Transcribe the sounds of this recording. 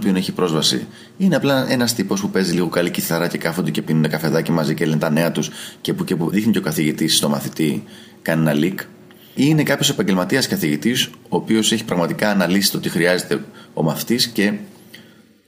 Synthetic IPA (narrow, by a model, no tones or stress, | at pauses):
opio̞ne̞çipɾo̞zvɐsḭ | ine̞ɐplɐe̞nɐst̪ipo̞spupe̞ziliɣo̞kɐliciθɐɾɐce̞kɐfond̪e̞ce̞pinund̪ekɐfe̞ðɐcimɐzicelenet̪ɐne̞ɐt̪usce̞pucepuðixniceokɐθiʝit̪isst̪o̞mɐθit̪i | kɐnenɐlik | ine̞kɐpçose̞pɐɲɟe̞lmɐt̪iɐskɐθiʝit̪iso̞ːpio̞se̞çi̥pɾɐɣmɐt̪ikɐːnɐlisi̥t̪o̞t̪ixɾiɐze̞t̪e̞o̞̰mɐθi̥t̪isce̞